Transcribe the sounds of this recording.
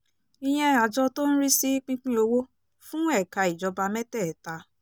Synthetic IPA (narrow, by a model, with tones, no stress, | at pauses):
i˧j̃ɛ̃˧a˨d͡ʒɔ˧to˦n̩˦ɾi˦si˦k͡pĩ˦k͡pĩ˦o˧wo˦ | fũ˦ɛ˦˨ka˧i˨d͡ʒɔ˧ba˧mɛ˦tɛ˦˨ta˧˦